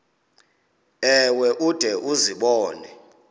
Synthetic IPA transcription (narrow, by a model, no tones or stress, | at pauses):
ɛwɛʔud̥ʱɛʔuziɓɔːnɛ